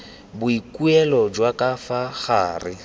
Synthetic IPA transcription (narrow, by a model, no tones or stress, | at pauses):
bʊikʼuɛlɔd͡ʒwakʼafaχaːrɪ